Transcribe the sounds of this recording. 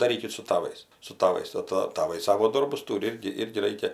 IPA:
dɐˈrʲiːkʲɪt sʊ tɐˈʋɐɪs sʊ tɐˈʋɐɪs ˈtɜ tɐ tɐˈʋɐɪ ˈsɑːʋoː ˈdoːrbʊs ˈtuːrʲɪ ˈɪrʲɡʲɪ ˈɪrʲɡʲɪ ˈrɐɪkʲɛ

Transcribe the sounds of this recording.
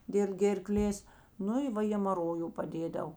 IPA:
dʲeːlˠ ɡʲeːrˈklʲeːs ˈnʊ ɪ ˈʋɐ ɣʲeːmɐˈroːjʊ pɐˈdʲeːdɐw

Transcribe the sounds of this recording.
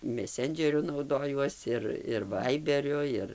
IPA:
mʲɛˈsʲɛnʲd͡ʒʲɛrʲʊ nɐʊˈdoːjuɔs ɪr ɪr ˈʋɐɪbʲɛrʲʊ ˈɪr

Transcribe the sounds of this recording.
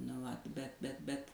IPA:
nʊ ˈʋɐt bʲɛt bʲɛt bʲɛt

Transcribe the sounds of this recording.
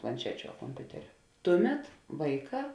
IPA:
plˠɐnʲˈt͡ʃʲæːt͡ʃʲʊ ɐ koːmʲˈpʲʊtʲɛrʲʊ ˈtʊˌmʲɛt ˈʋɐɪˌkɑː

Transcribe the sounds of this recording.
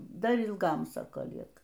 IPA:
ˈdɐr ɪlˠˈɡɐm ˈsɑːkoː ˈlʲiɛkɐ

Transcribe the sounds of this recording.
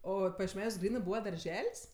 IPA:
ˈoː pɐjiɛʃʲˈmʲæːnʲuɔs ˈɡrʲiːnɜ ˈbuːʋɐ dɐrʲˈʒʲɛlʲsʲ

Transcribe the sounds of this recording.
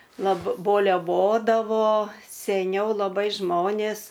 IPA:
lˠɐp boːlʲɛˈʋoːdɐʋoː sʲɛˈnʲɛʊ lˠɐˈbɐɪ ˈʒmoːnʲeːs

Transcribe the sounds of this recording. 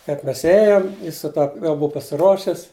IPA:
kɐɪp ˈmʲɛs ˈeːjoːm ˈjɪs sʊ ˈtɐ jɛʊ ˈbʊʊ pɐsʲɪˈruɔʃʲɪs

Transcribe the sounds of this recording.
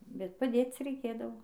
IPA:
bʲɛt pɐˈdʲeːt͡s rʲɛɪˈkʲeːdɐʋoː

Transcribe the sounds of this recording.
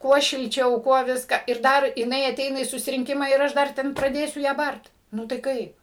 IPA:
ˈkuɔ ʃʲɪlʲˈt͡ʃʲɛʊ ˈkuɔ ˈʋʲɪskɐ ɪr ˈdɐr jɪˈnɐɪ ɐˈtʲɛɪnɐ iː sʊsʲɪrʲɪŋʲˈkʲɪmɑː ɪr ˈɐʃ ˈdɐr ˈtʲɛn prɐˈdʲeːsʲʊ ˈjæː ˈbɐrt ˈnʊ tɐɪ ˈkɐɪp

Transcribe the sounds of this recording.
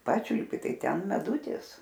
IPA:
ˈpɑːt͡ʃʲʊlʲpʲɪ ˈtɐɪ ˈtʲɛn mʲɛˈdʊtʲɪs

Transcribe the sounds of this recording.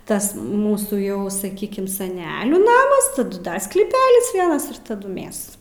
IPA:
ˈtɐs ˈmuːsuː ˈjɛʊ sɐˈkʲiːkʲɪm sɐˈnʲæːlʲuː ˈnɑːmɐs tɐˈdʊ ˈdɐr sklʲiːˈpʲæːlʲɪs ˈʋʲiɛnɐs ɪr tɐˈdʊ ˈmʲæs

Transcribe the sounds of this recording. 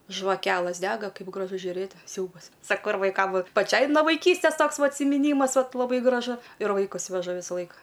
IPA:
ʒʋɐˈkʲæːlˠɘs ˈdʲæːɡɐ ˈkɐɪp ɡrɐˈʒʊ ʒʲʊˈrʲeːt ˈsʲɛʊbɐs ˈsɑːkoː ɪr ʋɐɪˈkɐm ˈʋɐt pɐˈt͡ʃʲɛɪ noː ʋɐɪˈkʲiːsʲtʲeːs ˈtoːks ʋɐ ɐtʲsʲɪmʲɪˈnʲiːmɐs ˈʋɐt lˠɐˈbɐɪ ɡrɐˈʒʊ ɪr ʋɐɪˈkʊs ʋʲɛˈʒʊ ˈʋʲɪsɐ ˈlˠɐɪkɐ

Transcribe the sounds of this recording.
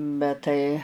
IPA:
bʲɛt ˈtɐɪ

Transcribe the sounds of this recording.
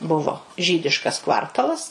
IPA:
ˈbʊʋoː ˈʒʲiːdʲɪʃkɐs ˈkʋɐrtɐlˠɐs

